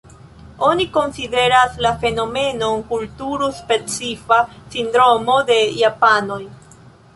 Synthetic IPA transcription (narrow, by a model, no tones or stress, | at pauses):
o̞niko̞nside̞ɾaslafe̞no̞me̞no̞nkultuɾuspe̞t͡sifasindɾo̞mo̞de̞japano̞j